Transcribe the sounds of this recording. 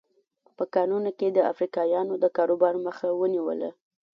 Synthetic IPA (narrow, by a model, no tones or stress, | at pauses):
pəkɑnunoked̪əa̰fɾikɑjɑnod̪əkɑɾobɑɾməxawəniwə̰la̰